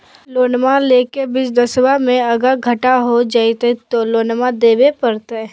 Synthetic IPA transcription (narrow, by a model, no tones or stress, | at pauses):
loːnmaleːkebɪsd̪əswamẽɐɡəɾɡʱɐʈaɦod͡ʒaːit̪et̪oloːnmad̪eːbepəɾt̪e